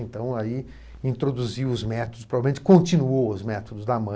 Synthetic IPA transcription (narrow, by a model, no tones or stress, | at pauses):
ẽnt̪ɐ̃w̃ai | ĩnt̪ɾod̪uziwʊzmɛt̪od̪ʊspɾovavemẽt͡ʃɪ̥kõnt͡ʃĩnuowʊzmɛt̪od̪ʊzd̪amɐ̃